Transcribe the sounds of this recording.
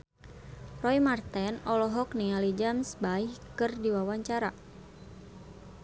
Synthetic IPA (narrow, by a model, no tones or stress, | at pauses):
rɔimart̪ɛnɔlɔɦɔknialid͡ʒamsbaihkɨrdiwawaɲt͡ʃaɾa